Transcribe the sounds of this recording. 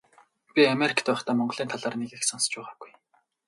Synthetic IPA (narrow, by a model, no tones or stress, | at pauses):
pʲiameɾʲikʰt̪æːχt̪ʰaːmɔɴɢɞ̆ɮiːnt̪ʰaɮaːrneɣiːxsɔnst͡ɕpæːʁaːɡuj